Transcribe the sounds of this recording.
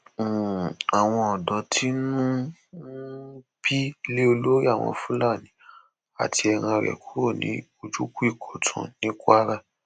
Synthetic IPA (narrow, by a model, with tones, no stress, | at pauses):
a˨w̃ɔ̃˧ɔ˨dɔ˨˦tʰi˦nũ˦ | bi˦le˦o˧lo˦ɾi˦a˦˨w̃ɔ̰̃˧fũ˦la˦˨nĩ˨˦ | a̰˨ti˧ɛ˧ɾ̃ã˧ɾɛ̰˨ku˦ɾo˦˨nḭ̃˨˦o˧d͡ʒu˦ku˦i˦˨kʰɔ˨tʰṵ̃˨nĩ˨˦kʷa˦ɾa˦˨